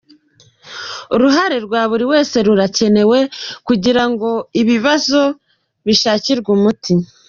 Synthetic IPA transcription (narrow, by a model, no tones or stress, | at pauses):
uɾuɦaɾe̞ɾɡwaːβuɾiwe̞ːse̞ɾuɾace̞ne̞we̞kuɟiɾaŋɡo̞iβiβazo̞ | βiʃaːciɾɡumuti